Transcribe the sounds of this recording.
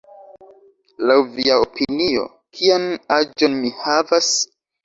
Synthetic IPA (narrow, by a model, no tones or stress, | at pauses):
lawviaopinio̞̰ | kʰianad͡ʒo̞nmihavas